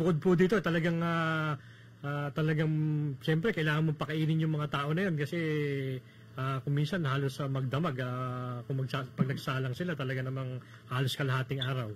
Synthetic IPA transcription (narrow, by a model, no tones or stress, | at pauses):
bʊkod̪̚pʊd̪iːt̪ot̪ɐlɐɡaŋa | ʔaːt̪ɐlɐɡaŋʃɛmpɾɛkɐʔɪlaːŋɐnmopɐkɐʔiːnɪŋjʊŋmɐŋat̪aːʔo̞nɐjo̞nkɐsɛ | ʔakʊŋminsɐnhaːlo̞sɐmɐɡ̚d̪ɐmaɡakʊŋmɐɡsapɐɡ̚nɐɡsaːlɐŋsɪlat̪ɐlɐɡanɐmaŋ | haːlo̞skɐlɐhaːt̪ɪŋʔaːɾɐw